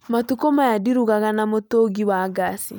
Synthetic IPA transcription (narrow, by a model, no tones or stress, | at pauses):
matukomajadiɾuɣaɣanamotoɡiwaɡasḭ